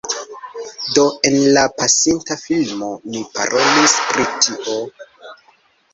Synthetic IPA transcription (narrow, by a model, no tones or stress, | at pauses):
do̞e̞nlapasintafilmo̞mipa̰ɾʔo̞lispɾitiʔo̞